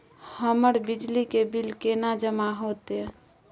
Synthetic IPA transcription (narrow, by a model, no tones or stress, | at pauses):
həməɾbid͡ʒlikebilkenad͡ʒəmaɦot̪e